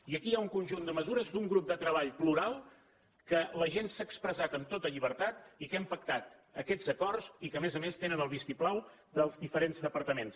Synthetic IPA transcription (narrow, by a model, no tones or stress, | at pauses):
iəkiauŋkunʒund̪əməzuɾəzd̪uŋɡɾup̚d̪ət̪ɾəβ̞aʎpluɾalˠ | kələʒensaːkspɾəzat̪əmt̪ot̪əʎiβəɾt̪at̪ikɛmpək̚t̪at̪ | əkɛz̥əkɔrzikəmezəmest̪enənəlˠβist̪iplaw | d̪əlˠzðifəɾenzðəpəɾt̪əmens